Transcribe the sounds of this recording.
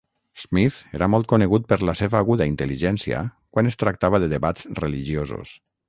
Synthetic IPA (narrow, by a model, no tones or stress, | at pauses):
z̥miθeɾamɔlˠt̪̚kuneɣut̪̚pəɾlaseβaːɣuðaint̪əliʒɛnsia̰kwanest̪ɾak̚t̪aβ̞aðəðeβat̪t͡sreliʒiozṵs